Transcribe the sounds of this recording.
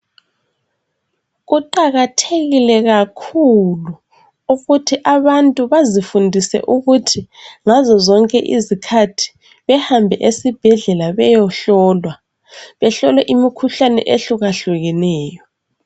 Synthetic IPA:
ɣuǃaɣatʰeɣilɛɣakʰulu | uɣutʰiʔaβantʼuβazifundʱisɛ̰ʔuɣutʰiŋazɔzɔŋkʼɛ̰ʔizikʰatʰi̥ | βɛhambʱɛʔesib̥ʱɛɮɛlaβɛjɔɬɔːlwa | βɛɬɔlɛʔimikʰuɬanɛ̰ʔeɬuɣaɬuɣɛnɛːjɔ

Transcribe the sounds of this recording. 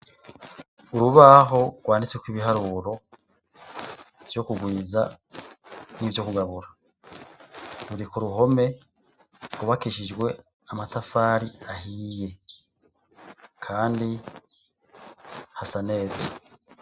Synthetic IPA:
uɾuβaɦo̞ɡ̥waːndit͡swekwiβiɦaɾuːɾo̞ | v̥jo̞kuɡwiːza̰ | nivjokuɡaβuɾa | ɾuɾikuɾuɦo̞me̞ | ɡuβakiʃid͡ʒɡwe̞ | amatafaɾiahiːje̞ | kʰaːndi | hasane̞ːzḁ

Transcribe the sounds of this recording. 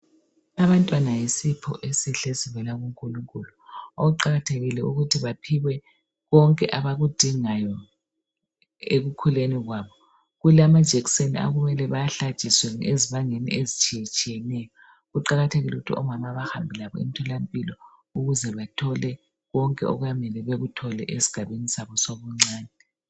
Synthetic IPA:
aβantʼwanajisipʰɔ̰ʔesiɬesiβɛlaɣuŋkʼuluŋkʼuluoɣuǃaɣatʰeɣilɛuɣutʰiβapʰiwɛ | ɣɔŋkʼɛʔaβaɣud̥ʱiŋajɔ | ḛɣukʰuleniɣwaβɔ | ɣulamad̥ʒ̥ʱɛksenia̰ɣumɛlɛβajaɬḁʒ̥ʱʼiswɛŋeziβaŋenḭʔezit͡ʃʼijɛt͡ʃʼijɛnɛjɔ | ɣuǃaɣatʰeɣiluɣutʰiɔmamaβaxambʱilaβɔ̰ḭmitʰɔlampʼilɔ | uɣuzɛβatʰɔlɛ | ɣɔŋkʼɛɔ̰ɣujamɛlɛβeɣutʰɔlɛʔesi̥ɡ̥ʱaβenisaβɔsoβɔŋ͡ǀaːnɛ

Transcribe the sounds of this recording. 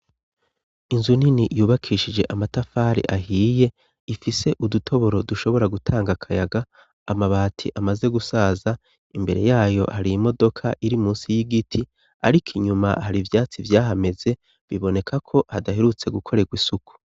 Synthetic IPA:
inzuninijuːβakʰiʃid͡ʒe̞ʔamatafaːɾḭʔaɦiːje̞ | ifise̞ʔudutʰo̞βo̞ɾo̞duʃo̞βo̞ɾaɡutʰaːŋɡakʰajaɡaː | maβaːtʰḭʔamaze̞ɡusaːza | imbe̞ɾe̞̰jaːjo̞̰haɾijimo̞do̞kʰaʔiɾimuːnsijiɡitʰi | a̰ɾikʰiɲumahaɾivjaːt͡sivjaːɦame̞ze̞ | βiβo̞ne̞kʰakʰo̞hadaɦe̞ɾut͡se̞ɡukʰo̞ɾe̞ɡwisuku̥

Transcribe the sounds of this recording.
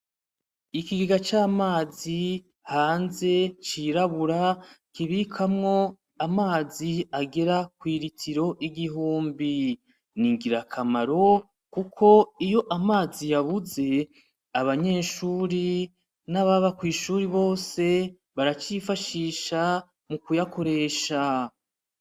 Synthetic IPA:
ikiɡiɡat͡ʃaːmaːzi | haːnze̞t͡ʃiɾaβuɾakiβikʰamŋo̞ | amaːziaɡe̞ɾakwiːɾitʰiɾo̞ʔiɡiɦuːmbi | niŋɡiɾakʰamaɾo̞ | kukʰo̞ijo̞ʔamaːzijaβuze̞ | aβaɲe̞ːʃuːɾi | naβaβakwiːʃuːɾiβo̞ːse̞ | βaɾat͡ʃifaʃiːʃa | mukujako̞ɾe̞ːʃa

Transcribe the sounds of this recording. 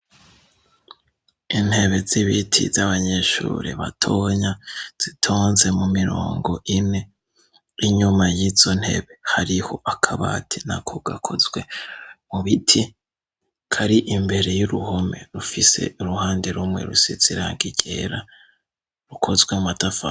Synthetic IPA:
in̥he̞βe̞ziβitʰḭzaβaɲe̞ʃṵːɾḭβa̰tʰoɲaz̥itʰoːnze̞mumiɾo̰ːŋɡo̞ʔine̞ | iɲumajizo̞n̥he̞̰βe̞haɾiho̞ʔakʰaβa̰tʰinakʰoɡ̥akʰo̞zwe̞muβitʰi | kʰaɾiʔimbe̞ɾe̞juɾuho̞me̞̰ɾufise̞̰uɾuhaːndeɾumŋe̞̰ɾṵsiz̥iɾaːŋɡiɟḛɾa | ɾukʰo̞zɡwematafa

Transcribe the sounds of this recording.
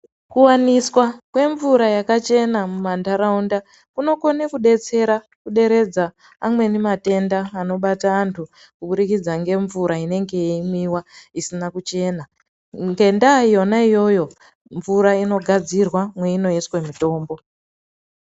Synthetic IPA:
kuwaniswakwe̞ɱvuɾajakat͡ʃe̞namumandaɾaunda | kuno̞ko̞nekuɗe̞t͡se̞ɾa | kuɗe̞ɾe̞d͡zaː | mwe̞nimate̞ndaːno̞ɓataːntʰu | kuɓuɾikid͡zaŋɡe̞ɱvuɾaine̞ŋɡe̞imiwaisinakut͡ʃe̞ːna | ŋɡe̞ndaijo̞naijo̞jo̞ | ɱvuɾaino̞ɡʱad͡zirwamwe̞ino̞jeswe̞mito̞ːmbo̞

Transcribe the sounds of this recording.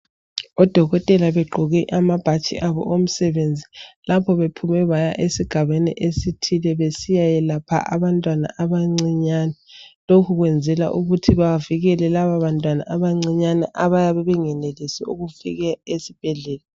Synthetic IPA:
ɔd̥ʱɔɣɔtʼɛlaβɛɡ͡ǃʱɔɣiʔamab̥ʱat͡ʃʼḭʔaβɔ̰ʔom̩sɛβend͡zʱilapʰɔβepʰumɛβajaʔesiɡ̥ʱaβenḭʔesitʰilɛβesijajɛlapʰa̰ʔa̰βantʼwana̰ʔaβaŋ͡ǀiɲanɛlokʰuɣwɛnd͡zʱɛla̰ʔuɣutʰiβaviɣɛlɛlaβaβantʼwana̰aβaŋ͡ǀiɲanaʔaβajaβɛβɛŋɛnelisɛuɣufḭɣɛesib̥ʱɛɮɛːla

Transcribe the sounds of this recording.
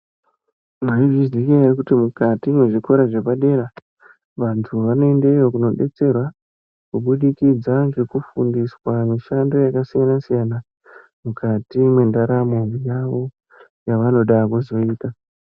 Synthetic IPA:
maivizdikearikutimukatimweʐiko̞ɾaʐepaɗe̞ɾa | ʋantʰuʋano̞e̞ndejokuno̞ɗe̞t͡se̞rwa | kuɓuɗikid͡zaŋɡe̞kufundiswamiʃando̞jakasijanasijana | mukatimwe̞ndaɾamojaʋo̞ | jaʋano̞ɗakuzo̞iːta

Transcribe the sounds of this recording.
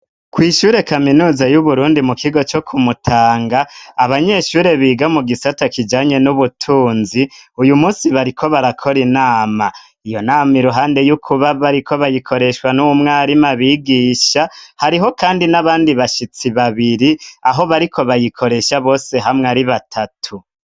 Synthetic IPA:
kwiːʃuːɾe̞kaminuːzajuβuɾuːndimukʰiɡo̞t͡ʃo̞kʰumutʰaːŋɡaːβaɲe̞ʃuːɾeβiːɡamuɡisatakid͡ʒaːɲe̞nuβutʰuːnziujumuːsiβaɾikʰo̞βaɾakʰo̞ɾinaːma | ijo̞naːmiɾuɦaːnde̞jukʰuβaβaɾikʰo̞βajikʰo̞ɾe̞ʃwanuumŋaːɾimaβiːɡiːʃahaɾiɦo̞kaːndinaβaːndiβaʃit͡siβaβiɾiaɦo̞βaɾikʰo̞βajikʰo̞ɾe̞ʃaβo̞ːse̞ɦamŋeaɾiβatʰatʰu

